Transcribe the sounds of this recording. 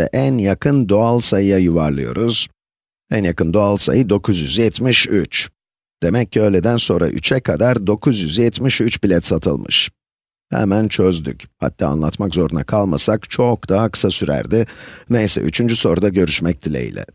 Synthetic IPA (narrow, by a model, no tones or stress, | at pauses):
ɛ̰ʔænjakʰɯnd̪o̞alˠsajɯjajuvaɾlˠɯjo̞̰ɾuz̥ | ænjakɯnd̪o̞alˠsa̰jɯd̪o̞kʰuzjyzjɛt̪miʃyt͡ʃ | d̪̥e̞mɛc̚ʰːiøjlʲed̪ænso̞nɾa̰ʔy̰t͡ʃʰɛkʰad̪aɾd̪o̞kʰuzjyzjɛt̪miʃyt͡ʃbilʲɛt̪sat̪ʰɯlˠmɯ̰ʃ | hɛ̰mænt͡ʃʰø̞zd̪y̰cha̰t̪ʰʲːaːa̰nlˠat̪makzo̞ɾuna̰kʰalˠma̰sakt͡ʃʰo̞k̚d̪aɦakʰɯ̥sasyɾæ̰ɾd̪ɪnejsɛ̰ʔy̰t͡ʃʰynd͡ʒyso̞ɾud̪aɟø̞ɾyʃmɛc̚d̪ʰilʲḛḭlʲɛ̰